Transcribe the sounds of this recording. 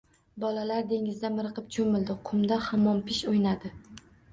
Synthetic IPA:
bɒlalaɾd̪e̞ŋɪzd̪amɪɾɨqɨp̚t͡ʃʰomɪld̪ɪqʰʊmd̪ahamːɒnpʰɪʃojnad̪ɪ

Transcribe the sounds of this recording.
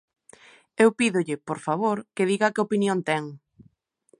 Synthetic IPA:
ewpiðʊʎɪpoɾfaβ̞oɾkeðiɣɐkɪopinjõnt̪ɛŋ

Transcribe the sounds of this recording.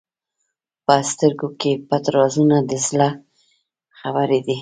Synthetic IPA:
pəst̪əɾɡokebat̪ɾɑzunad̪əsla | xabəɾed̪i

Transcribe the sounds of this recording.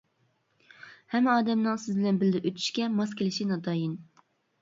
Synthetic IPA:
hɛmːɛɑːd̪ɛmnɨŋsɪzbɪlɛnbɪld̪ɛʔøt̪ʰy̥ʃkʲɛmɑskʲʰelɪʃinɑd̪ɑːjin

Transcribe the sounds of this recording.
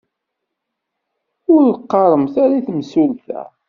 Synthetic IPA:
ʊɾqːɑɾˤəmθaɾaθəmsulθæ̰

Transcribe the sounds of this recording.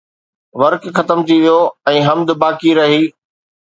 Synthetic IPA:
ʋɐɾkxɐt̪əmt̪ʰiʋijoɛ̃ːɦɐmd̪baːkiɾɐɦiː

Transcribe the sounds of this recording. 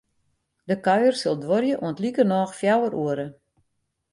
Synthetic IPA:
dəkaɥərsolˠdʋorjəʔuəntlikərnɔːxfjawəɾʔuəɾə

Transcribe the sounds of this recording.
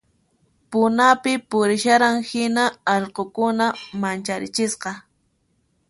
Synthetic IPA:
pʊnapɪpʊɾɪʃaɾaŋhɪnaɑʎqokʊnamant͡ʃaɾɪt͡ʃɪsqɑ

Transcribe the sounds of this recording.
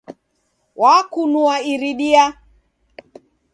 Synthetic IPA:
wakunuaiɾiɗia

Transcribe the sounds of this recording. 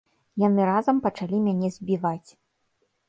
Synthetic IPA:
janɨɾazɐmpɐt͡ʂalʲimʲanʲɛzʲbʲivat͡sʲ

